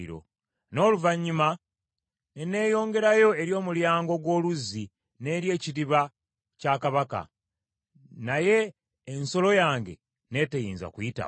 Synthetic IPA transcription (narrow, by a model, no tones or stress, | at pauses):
ɾo̞̰ | no̞ːluvaɲːima | nene̞ːjo̞ːŋɡe̞ɾajo̞e̞ɾjo̞ːmuljaːŋɡo̞ɡwo̞ːluzːi | ne̞ɾje̞ːciɾiβa | caːkaβaka̰ | naje̞ː | nso̞lo̞jaːŋɡe̞̰ | ne̞ːtejiːnza̰kujita̰